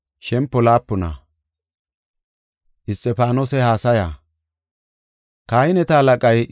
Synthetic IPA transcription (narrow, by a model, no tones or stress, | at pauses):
ʃɛmpːɔlaːpːɔna̰ | ʔɪst̪ʼːɛpaːnoːsɛhaːsɐja̰ː | kaːjɪnɛt̪ɐːlɐkʼɐj